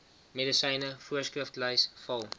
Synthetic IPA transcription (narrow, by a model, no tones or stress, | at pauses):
medəsəjnəfuəskrəftləjsfɐlˠ